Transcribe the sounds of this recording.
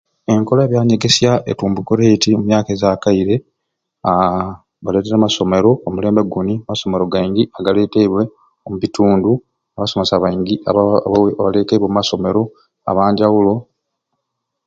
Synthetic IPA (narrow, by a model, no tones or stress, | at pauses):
e̞ŋko̞laːβjaːɲe̞ɡe̞sjaʔḛtuːmbukoɾetiomumjaːkeːzaːkaiɾe̞ | a | βale̞ːteɾamaso̞me̞ɾo̞ːmule̞ːmbeɡuniamaso̞me̞ɾo̞ɡaiŋɡiaɡaleːteβwe̞ | omuβituːndu | aβaso̞mesaβaiŋɡiaaβaleteβwemumaso̞me̞ɾo̞ | a̰βaːɲɟawulo̞